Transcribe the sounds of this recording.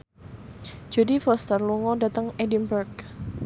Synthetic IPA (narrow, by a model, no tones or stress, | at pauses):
d͡ʒ̥odifɔst̪ərluŋɔdat̪əŋedimbərk